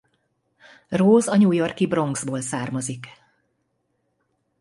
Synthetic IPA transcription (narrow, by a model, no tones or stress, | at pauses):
roːzɒɲuːjo̞rkibro̞ŋɡzboːlsaːrmɒzik